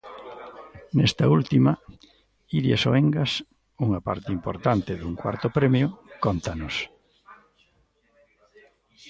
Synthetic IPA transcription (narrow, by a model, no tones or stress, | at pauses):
nɛst̪ɐult̪imɐ | iðjaso̰eŋɡɐs | uŋapa̰ɾt̪ɪimpoɾt̪ant̪eðuŋkwa̰ɾt̪opɾemjʊkont̪anʊs